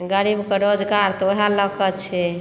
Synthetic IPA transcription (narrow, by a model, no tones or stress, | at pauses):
ɡəɽibkeɾod͡ʒɡaɾt̪oɦaləkət͡ʃʰɛ